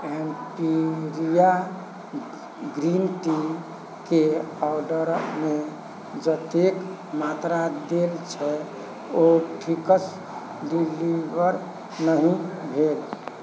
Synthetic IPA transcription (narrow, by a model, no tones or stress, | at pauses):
empiɾija | ɡɾint̪i | keɔwɖəɾmẽ | d͡ʒət̪ek | mat̪ɾad̪elt͡ʃʰɛ | oʈʰikəs | ɖilibəɾ | nəɦĩbʱel